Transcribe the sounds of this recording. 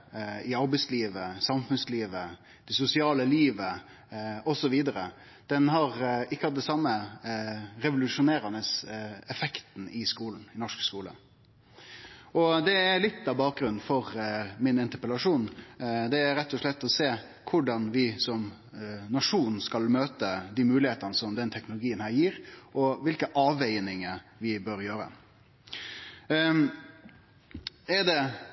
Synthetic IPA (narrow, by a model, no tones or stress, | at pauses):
ɪɑɾbɛɪsliːʋəsɑmfʉnsliːʋə | d̪̥ɛsʊsɪɑːləliːʋə | ɔsɔʋiːd̪əɾə̰ | d̪̥ɛnɦɑɾɪkːəhɑt̪̚d̪ɛsɑmːə | ɾɛʋʊlʉʂʊneːɾənəsɛfɛkt̪n̩ɪskuːln̩ɪnɔʂkskuːlə̰ | ɔd̪ɛælɪt̪ːɑbɑːk̚ɡɾʉnn̩fɔɾmɪnɛnt̪əpəlɑʂuːnd̪ɛæɾɛt̪ːɔʂɭɛt̪ːɔseː | kʰʊɖɑnʋɪsɔm | nɑʂuːn̩skɑlmøːt̪əd̪iːmʉːlɪheːt̪ənəsɔmd̪ɛnt̪ʰɛknʊlʊɡiːənhæːɾjiːɾʔɔʋɪlkəʔɑːʋɛɪnɪŋəɾʋɪbøːɾjøːɾə̰ | ɛɾd̪ɛ